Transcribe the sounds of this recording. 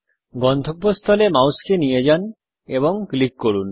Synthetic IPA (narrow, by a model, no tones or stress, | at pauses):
ɡɔnd̪ʰʱobːost̪ʰɔlemawskenijed͡ʑan | eβoŋklikːoɽun